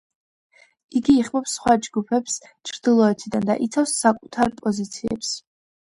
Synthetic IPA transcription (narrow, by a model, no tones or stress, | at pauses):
iɡiːχmɔpsχwad͡ʒɡupʰɛps | t͡ʃʰɾd̪ilˠɔɛt̪ʰid̪and̪a̰ʔit̪sʰafsːakʼut̪ʰaɾpʼɔzit̪sʰiɛ̰ps